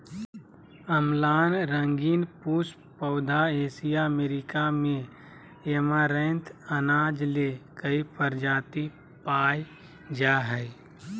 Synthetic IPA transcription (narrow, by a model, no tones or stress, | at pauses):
əmlaːnɾə̃ŋɡiːnpuːs | pəʊd̪ʱaeːsijaəmeːɾɪkamẽ | eːmaɾɛ̃ːnt̪ʰənaːd͡ʒlekəipəɾd͡ʒaːt̪i | paːj | d͡ʒaːɦɛɪ